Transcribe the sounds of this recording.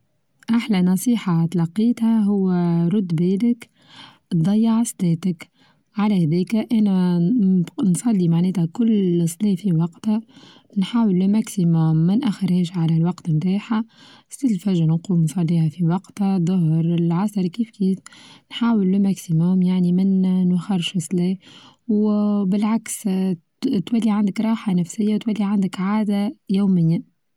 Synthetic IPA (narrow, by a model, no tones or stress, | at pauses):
ʔaħlænɑsˤiːħat̪lɑqːiːt̪hæɦʊwːæɾˤʊd̪bɛːlɪk̚ | d̪ˤɑjːʕɑsˤd̪ɛːt̪ək | ʕalæhæd̪ɛːkæʔænæ | nsˤɑlːimaʕnɛːt̪ækʊlːsˤniːfiwɑqt̪hæ | nħaːwəlːɪmæksimoːmːænʔæxːɪɾhɛːʃʕalælwɑqt̪mt̪aːħa | silfæʒaɾnquːmnsˤɑlːiːhafiwɑqt̪hæðˤʊhɾɪlʕɑsˤɑɾˤkiːfkiːfnħaːwəlːɪmæksimːʊmjaʕnimɪnːxɑrˤʃɑsˤliː | wbɪlʕaks | t̪wælːiʕand̪ɪkɾˤɑːħanæfsɪjːawt̪wælːiʕand̪ɪkʕaːd̪ajuːmɪjːa